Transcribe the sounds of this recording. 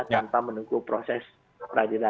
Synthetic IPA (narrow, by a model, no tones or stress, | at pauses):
t̪anpamənukupɾosɛs | pɾadila